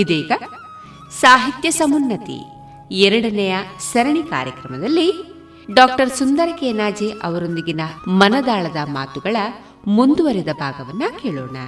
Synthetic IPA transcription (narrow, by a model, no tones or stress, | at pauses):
id̪eːɡɐ | saːɦit̪jɐsɐmunːɐt̪ḭ | ɛɾɐɽɐnɛjɐsɐɾɐɳika̰ːɾjɐkɾɐmɐd̪ɐlːi | ɖaːk̚ʈɐɾsund̪ɐɾɐkeːnaːd͡ʒeʔɐʋɐɾo̞nd̪iɡinɐmɐnɐd̪aːɭɐd̪ɐmaːt̪uɡɐɭɐ | mund̪uʋɐɾid̪ɐbʱaːɡɐʋɐnːɐkeːɭɔːɳɐ